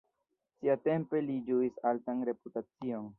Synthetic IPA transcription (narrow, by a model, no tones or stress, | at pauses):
siate̞mpe̞lid͡ʒuisaltanɾe̞putat͡sio̞n